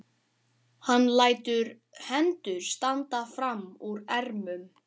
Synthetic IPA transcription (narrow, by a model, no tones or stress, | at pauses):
hanːlaːjt̪ʏɾ | hɛnt̪ʏɾ̥st̪ant̪afɾamːuɾɛɾmʏm